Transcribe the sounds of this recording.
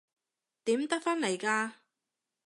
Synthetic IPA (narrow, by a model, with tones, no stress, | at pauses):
t̪iː˨˥mt̪ɐ˥k̚fɐ˥nle˨˩jkaː˧